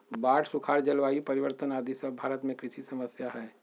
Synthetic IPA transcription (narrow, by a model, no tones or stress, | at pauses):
baːʈsʊkʰaːɾd͡ʒəlʋaːjipɐɾɪʋəɾt̪ənaːd̪ʱisəbbʱaːɾət̪mẽkɾɪʃisɐməsjaɦɛː